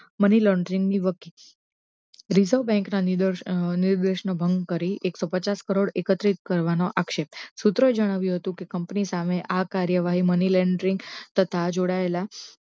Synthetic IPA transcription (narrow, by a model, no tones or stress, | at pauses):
məniləɳɖɾiŋɡniʋəki | ɾizəʋbɛ̃ŋknanniɾd̪əɾʃɳəbʱəŋɡkəɾiʔeksopət͡ʃaskəɾoɽekət̪ɾit̪̚kəɾʋanoʔakʃep̚sut̪ɾəed͡ʒəɽ̃aʋjũɦət̪ũkekəmpnisameʔakaɾjəʋaɦiməniləɳɖɾiŋɡt̪ət̪ʰad͡ʒoɽaela